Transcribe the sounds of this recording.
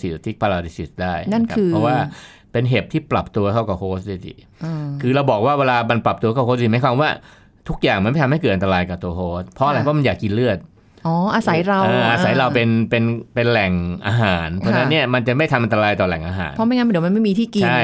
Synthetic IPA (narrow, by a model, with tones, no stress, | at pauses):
si˨˩t̪ʰi˦˥˩pʰaː˧laː˧di˧˥si˨˩sdaː˥˩jna˥˩nkʰaː˦˥˧pɾɔ˦˥waː˥˩ | pe˧nɦe˨˩p̚t̪ʰiː˥˩pla˨˩p̚t̪u˧ɐkʰa˥˩wka˨˩wkʰoː˦˥st̚da˧˥˩sḭ˧˩˧ | kʰɯː˧ɾa˧wbɔː˨˩k̚waː˥˩weː˧laː˧ma˧npla˨˩p̚t̪u˧kʰa˥˩kʰo˦˥˧iː˧˩ma˨˦jkʰwaː˧mwaː˥˩ | t̪ʰu˦˥k̚jaː˨˩ŋma˧nma˥˩t̪ʰa˧mhkɤː˨˩t̪̚ʔa˧nt̪aː˧jka˨˩t̪u˧ɐkʰoː˦˥s̚pʰɔ˦ʔa˧ɾa˧jpʰɔ˥˩ma˧jaː˨˩kːi˧nlɯ˥˩ət̪̚ | ʔɔː˨˩ʔaː˧sa˩˦jɾa˧aː˧ʔaː˧sa˩˦jɾa˧wpe˧npe˧npe˧nlɛ˨˩ŋʔaː˧ɦaː˩˦nʰɔ˧˥˧na˦˥˧nːi˥˩ɐma˧nt͡ɕa˨˩ma˥˩jt̪ʰa˧mʔa˧nt̪a˧aː˧jt̪ɔː˨˩lɛ˨˩ŋʔaː˧ɦa̰ː˩˦npʰɔ˦˥ma˧˥jŋa˦˥n˨˩di˩˦ma˧ma˥˩jmiː˧t̪ʰiː˥˩ki˧t͡ɕʰa˥˩